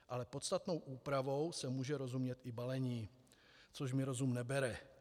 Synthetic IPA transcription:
ʔalɛpo̞t̪st̪at̪no̞wʔuːpɾavo̞wsɛmuːʒɛɾo̞zumɲɛt̪ʔɪbalɛɲiː | t͡soʃ̬mɪɾo̞zumnɛbɛɾɛ

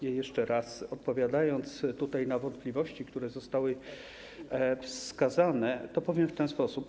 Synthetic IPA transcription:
jɛjɛʂt͡ʂɛɾasɔt̪̚pɔvʲjad̪ajɔnt̪st̪ut̪ajnavɔnt̪̚plʲivɔɕt͡ɕikt̪uɾɛzɔst̪awɘ | fsskazanɛt̪ɔpɛvʲjɛmft̪ɛnspɔsup

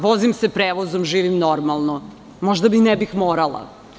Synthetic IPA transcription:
ʋozimsepɾeːʋozomʒiːʋimnoɾmalˠno | moʒd̪aminɛbixmoːɾalˠa̰

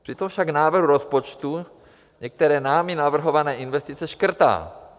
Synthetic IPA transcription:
pr̥ɪt̪o̞mfʃaɡnaːvr̩ɦuɾospot͡ʃt̪u | ɲɛk̚t̪ɛɾɛːnaːmɪnavr̩ɦo̞vanɛːʔɪnvɛst̪it͡sɛʃkr̩t̪a̰ː

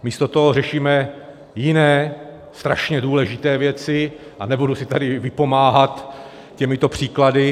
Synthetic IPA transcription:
miːst̪o̞t̪oɦorɛʃiːmɛ | jɪnɛː | st̪ɾa̰ʃɲɛduːlɛʒɪt̪ɛːvjɛt͡sɪ | ʔanɛbudusɪt̪adɪvɪpo̞maːɦat̪ | cɛmɪt̪o̞pr̝̥iːkladɪ

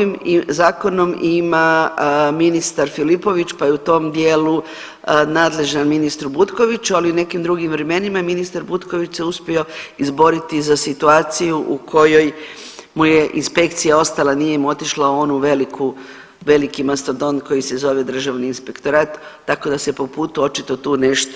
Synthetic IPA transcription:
imzaːko̞no̞mima | minist̪aɾfilipo̞ʋit͡ɕpajeut̪o̞md̪je̞ːlu | naːd̪le̞ʒnanminist̪ɾubut̪ko̞ʋit͡ɕualiune̞kimd̪ɾuɡimʋɾe̞me̞nimaminist̪aɾbut̪ko̞ʋit͡ʃseuspʲio̞izbo̞ɾit̪izasit̪uaːt̪sijuʔukʰo̞jo̞j | muje̞ʔinspe̞kt̪sijaost̪alanijemo̞t̪iʃlao̞nuʋe̞likʰu | ʋe̞likimast̪od̪o̞nko̞jise̞zo̞ʋe̞d̪r̩ʒaʋniːnspe̞kt̪o̞ɾaːt̪ː | ako̞d̪ase̞po̞puːt̪uo̞t͡ʃit̪o̞t̪uːne̞ʃt̪

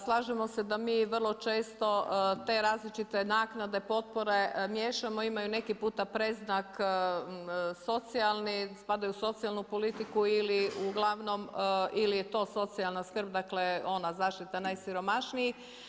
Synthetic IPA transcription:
slˠaːʒemo̞se̞d̪amiːʋər̩lˠo̞t͡ʃe̞ːst̪o̞t̪e̞ɾaːzlit͡ʃit̪e̞naːknad̪e̞po̞t̪̚poɾe̞mjeːʃamoimajune̞kipuːt̪apɾe̞znak | so̞t̪sialˠnispad̪ajuso̞t̪sialˠnupo̞lit̪ikuiliuɡlˠaʋno̞milijet̪o̞ːso̞t̪sialnaskr̩b̚d̪akleo̞nazaːʃt̪it̪anajsiɾo̞maʃniji

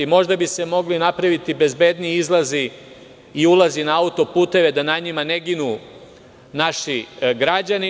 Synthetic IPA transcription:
mo̞ʒd̪abise̞mo̞ɡlinapɾaʋit̪ibe̞zbe̞d̪niizlˠazi | iulˠazinaaut̪o̞puːt̪e̞ʋe̞d̪anaɲimane̞ɡinu | naʃiɡɾad͡ʑani

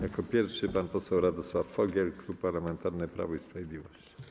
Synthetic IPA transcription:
jakɔpʲjɛɾfʂɘpanpɔsɛwɾad̪ɔswafːɔɡʲjɛlkɾupːaɾlamɛnt̪aɾnɛpɾa̰vɔispɾavʲjed̪lʲivɔɕt͡ɕi̥

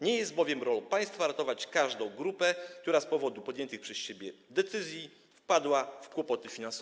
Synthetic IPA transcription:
ɲɛjɛst̪̚bɔvʲjɛmɾɔlɔpaj̃st̪faɾat̪ɔvat͡ɕkaʐd̪ɔ̃w̃ɡɾupɛk̚t̪uɾaspɔvɔd̪upɔd̪jɛnt̪ɘxpʂɛsɕebʲjɛd̪ɛt̪sɘzʲji | fpad̪wafkwɔpɔt̪ɘfʲinansɔ

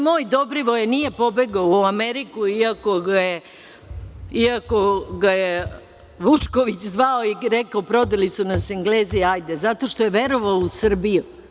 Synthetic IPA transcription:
mo̞ːjd̪o̞bɾiʋojnije̞po̞be̞ɡaoameɾikuiako̞ɡaje | iako̞ɡaje | ʋut͡ʂkoʋit͡ɕzʋaoiɾekaopɾo̞d̪elisunasiŋɡleːziajd̪ezat̪o̞ʃt̪o̞jeʋe̞ɾo̞ʋaousr̩biju

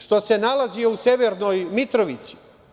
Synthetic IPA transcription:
ʃt̪o̞se̞nalazio̞use̞ʋeɾno̞jmit̪ɾoʋit̪si̥

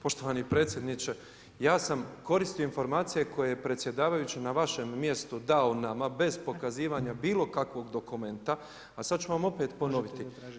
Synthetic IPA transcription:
po̞ʃt̪o̞ʋanipɾe̞ːt̪sje̞d̪nit͡ɕe̞ | jaːsamko̞ɾist̪ijoinfo̞ɾmaːt̪sije̞ko̞jejepɾe̞t̪sje̞d̪aːʋajut͡ɕinaʋaʃe̞mːje̞st̪ud̪aonamabe̞zpo̞kaziːʋaːɲabiːlˠo̞kakʋo̞ɡd̪o̞kume̞nt̪a | asad̪̚t͡ɕuʋamo̞pe̞ːt̪po̞no̞ʋit̪i

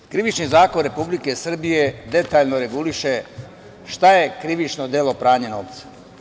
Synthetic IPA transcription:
kɾiʋit͡ʃnizaːko̞nɾe̞publikesr̩bije̞d̪e̞t̪aːʎnoɾe̞ɡuliʃe̞ | ʃt̪aje̞kɾiʋit͡ʃnod̪elˠo̞pɾaːɲeno̞̰ʋt̪sḁ

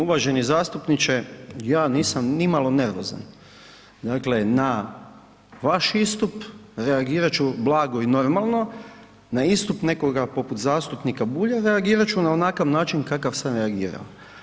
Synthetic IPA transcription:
uʋaʒe̞nizaːst̪upnit͡ʃejaːniːsamnimalo̞ne̞ɾʋo̞̰za̰n | d̪aːkle̞na | ʋaʃist̪upɾeaɡiːɾat͡ʃublaːɡo̞ino̞ɾmalˠno̞ | naist̪upne̞ko̞ɡapo̞put̪zaːst̪upnikabuːʎaɾeaɡiːɾat͡ʃunao̞nakaʋnaːt͡ʃinkakaʋsanɾeaɡiːɾa̰o

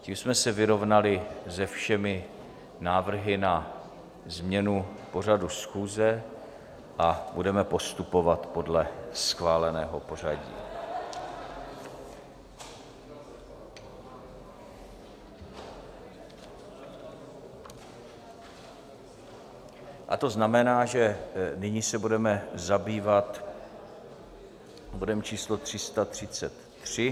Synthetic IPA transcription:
ciːmsmɛsɛvɪɾo̞vnalɪzɛfʃɛmɪ | naːvr̩ɦɪna | zmɲɛnupo̞radusxuːzɛ | ʔabudɛmɛpo̞st̪upo̞vat̪po̞dlɛsxvaːlɛnɛːɦo̞po̞r̝aɟḭː | ʔa̰t̪o̞znamɛnaːʒɛnɪɲisɛbudɛmɛzabiːvat̪ | bodɛmt͡ʃiːslot̪r̝̥ɪst̪at̪r̝̥ɪt͡sɛt̪ːr̝̥ɪ

